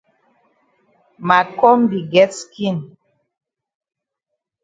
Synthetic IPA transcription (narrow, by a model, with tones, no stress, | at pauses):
ma˨kɔ˦mbi˨ɡɛ˦tski˦˨n